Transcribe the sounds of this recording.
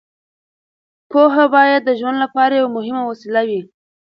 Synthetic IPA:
poɦabɑjad̪ːəʒwand̪lapɑɾajawamʊɦɪmawasilawi

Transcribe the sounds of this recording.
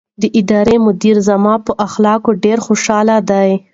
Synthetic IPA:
d̪əʔɪd̪ɑɾemʊd̪iɾzamɑpəʔaxlɑkoɖeɾxoʃɑlad̪aj

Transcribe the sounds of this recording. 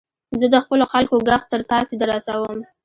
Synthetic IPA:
zəd̪əxpəloxalkoɡaxt̪əɾt̪ɑsed̪əɾasawəm

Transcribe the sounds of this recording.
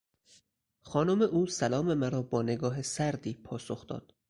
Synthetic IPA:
xɒːnomeʔuːsælɒːme̞mæɾɒːbɒːne̞ɡɒːɦesæɾd̪iːpʰɒːsoxd̪ɒ̰ːd̪̥

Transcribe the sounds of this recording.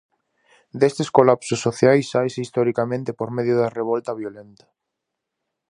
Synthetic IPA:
d̪est̪eskolapsosːoθjajsajsist̪oɾikamẽnt̪epoɾmeðjʊðareβ̞olt̪aβjolent̪ḁ

